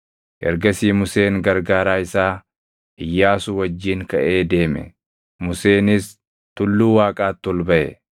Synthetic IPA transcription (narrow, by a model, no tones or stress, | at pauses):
ʔɛ̰ɾɡɐsiːmʊse̞ːŋɡɐɾɡaːɾaːɪsaː | ʔɪjːaːsʊwɐd͡ʒːiːŋkɐʔe̞ːd̪e̞ːmɛ̰ | mʊse̞ːnɪs | t̪ʊlːuːwaːkʼaːt̪ːɔlbɐʔɛ̰